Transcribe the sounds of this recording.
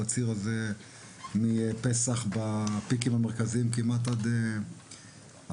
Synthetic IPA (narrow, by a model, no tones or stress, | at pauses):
at͡siʁaze | mipesaχbapikimameʁkaziimkimat̪ad̪e | a